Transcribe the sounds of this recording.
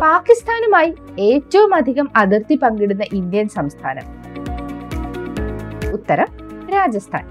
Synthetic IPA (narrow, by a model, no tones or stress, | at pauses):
paːkːist̪ʰaːnumaːji | e̞ːtːɐʋumɐd̪ʱiɣɐmɐd̪irt̪ipɐŋɡiɽunːɐʔind̪jɐnsɐmst̪ʰa̰ːnɐ̰m | ut̪ːɐɾɐmɾaːd͡ʑɐst̪ʰa̰ːn